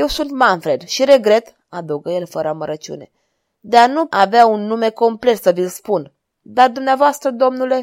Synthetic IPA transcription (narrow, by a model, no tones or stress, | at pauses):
je̞wsunt̪manfɾe̞d̪ʃiɾe̞ɡɾe̞t̪ | ad̪əwɡəje̞lfəɾəaməɾət͡ʃiṵne̞̰ | d̪e̞anuaveaunːume̞ko̞mple̞t̪səvilspun | d̪ard̪umneavoast̪ɾəd̪o̞mnule̞